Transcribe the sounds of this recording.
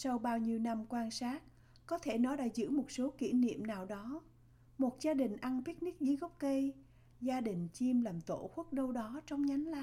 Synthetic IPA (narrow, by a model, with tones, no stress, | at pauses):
sa˧wɓaː˧wɲi˧əwna˧mkwaː˧nsaː˦˥t̚ | kɔ˨˦t̪ʰe˧˩nɔ˨˦ɗa̰ː˧˥zɨ̰˧˥mo˨˩t̚so˨˦kḭ˧˩nḭ˧˨əmnaː˨˩wɗɔ˨˦ | mo˨˩t̚zaː˧ɗï˨˩ŋ̟ʔa˧npi˦˥k̚ni˦˥k̚zɨ˨˦ɣɔ˦˥wk͡p̚kə˧j | zaː˧ɗï˨˩ŋ̟t͡ɕi˧mlaː˨˩mt̪o̰˧˩xwu˦˥k̚ɗə˧wɗɔ˨˦t͡ɕɔ˧wŋ͡mɲa˨˦ŋ̟la˧˨